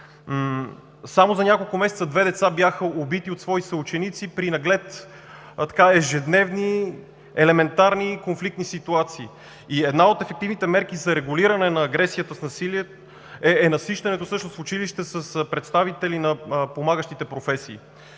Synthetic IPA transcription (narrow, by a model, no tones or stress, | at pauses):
samozɐnʲakolˠkʊmɛsɛt̪səd̪vɛd̪ɛt̪sabjaxəobit̪iot̪svɔisəut͡ʃɛnit̪sipɾinɐɡlɛt̪ | t̪ɐ̥kaɛʒɛd̪nɛvni | ɛlɛmɛnt̪aɾnikonflik̚t̪nisit̪uat̪siː | iɛd̪naot̪ɛfɛk̚t̪ivnit̪ɛmɛɾk̟izɐɾɛɡʊliɾənɛnɐːɡɾɛsijət̪əsnɐsiliɛt̪ | ɛɛnɐsiʃt̪ɐnɛt̪osɤʃnosfʊt͡ʃiliʃt̪ɛsəspɾɛt̪st̪avit̪ɛlinɐpomaɡəʃt̪it̪ɛpɾofɛsiː